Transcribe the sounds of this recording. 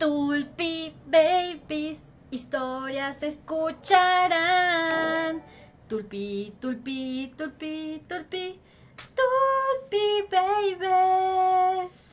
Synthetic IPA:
t̪ulpibejbis | ist̪oɾjaseskut͡ʃaɾa | n | t̪ulpit̪ulpit̪ulpit̪ulpi | t̪ulpibejβe | s

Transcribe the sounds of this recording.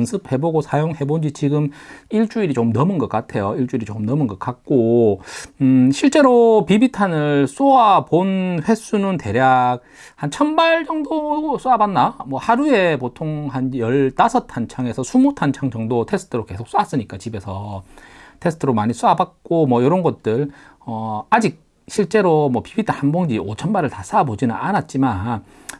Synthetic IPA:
ɯnsʰɯp̚he̞boɡosʰajoŋhe̞bond͡ʑit͡ɕiɡɯmiɭt͡ɕ͈uiɾit͡ɕomnʌmɯnɡʌk͈atʰe̞joiɭt͡ɕ͈uiɾit͡ɕomnʌmɯnɡʌk͈̚at̚k͈o | ɕʰiɭt͡ɕ͈e̞ɾopibitʰanɯɭs͈oaponɸwe̞s͈unɯnte̞ɾjak̚ | hant͡ɕʰʌnbaɭd͡ʑʌŋdos͈uabanːamwʌhaɾue̞potʰoŋhanjʌɭt͈asʰʌtʰant͡ɕʰaŋe̞sʰʌsʰumutʰant͡ɕʰaŋd͡ʑʌŋdotʰe̞sʰɯ̥tʰɯɾoke̞sʰo̥k̚s͈uas͈ɯɲik͈at͡ɕibe̞sʰʌ | tʰe̞sʰɯ̥tʰɯɾomaɲis͈ʰuabat̚k͈omwʌjoɾʌnɡʌt̚t͈ɯɭ | ʌad͡ʑik̚ | ɕʰiɭt͡ɕ͈e̞ɾomwʌpibitʰanhanbʌŋd͡ʑiot͡ɕʰʌnbaɾɯɭtas͈ʰabod͡ʑinɯnanat̚t͡ɕ͈imann

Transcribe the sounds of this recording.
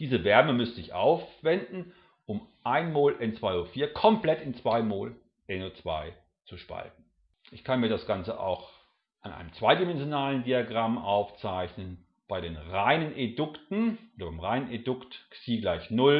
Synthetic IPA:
d̥iːzəvɛɐməmʏstɪçʔa̰ʊfv̥ɛndn̩ | ʔʊmʔaɪnmoːlʔɛnt͡sv̥aɪoːfiːɐkʰɔmplɛtɪnt͡sv̥aɪmoːl | ʔɛnot͡sv̥a̰ɪ | t͡suʃpa̰lt̚n̩ | ʔɪçkʰanmiːɐdasɡ̥ant͡səʔa̰ʊx | ʔanʔa̰ɪnəmt͡sv̥aɪdimɛnzjonaːləndiaɡʁamʔaʊft͡saɪçnən | b̥aɪɾeːnʁaɪnənʔedʏktn̩ʔʔoːdɐbaɪmʁaɪnənedʊktsiːɡlaɪçnʊl

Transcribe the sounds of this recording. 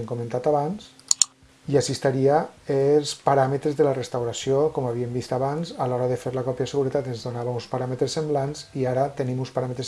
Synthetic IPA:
ŋkomẽnt̪at̪aβans | iasist̪aɾiaelˠspaɾamət̪ɾezðəlarest̪awɾasiokɔmaβ̞iembist̪aβanzalɔɾaðefeɾlakɔpjaseɣuɾet̪at̪enzðonaβaunspaɾamet̪ɾesːemblanziaɾat̪enimunspaɾamət̪ɾes

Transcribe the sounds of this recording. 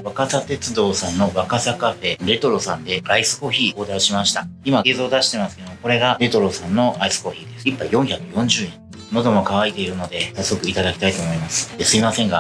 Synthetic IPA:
βakasat̪e̞t͡sɨd̪o̞ːsãnːo̞βakasakaɸe̞ɾe̞t̪o̞ɾo̞sãnd̪e̞aisɨ̥ko̞çiːkoːd̪aiɕimaɕi̥t̪aimaeːzo̞ːd̪aɕi̥t̪e̞masɨ̥ke̞d̪o̞moko̞ɾe̞ɡaɾe̞t̪o̞ɾo̞sãnːo̞aisɨ̥ko̞çiːd̪e̞sɨ̥ipːaijõ̞ɰ̃çakɯ̟jõ̞ɲ̟d͡ʑɨːẽ | no̞d̪o̞mo̞kaβait̪e̞iɾɯ̟no̞d̪e̞sasːo̞kɯ̟it̪ad̪akʲi̥t̪ait̪o̞ːmo̞imasɨ̥d̪esɨimasẽ̞ŋɡa

